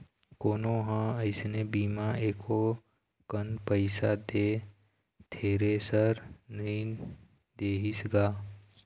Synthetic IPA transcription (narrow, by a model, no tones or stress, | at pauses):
koːnõɦãəɪsnebiːmaeːkʰo | kənpəɪsad̪eː | t̪ʰeːɾesəɾnəɦĩ | d̪eːɦisɡaː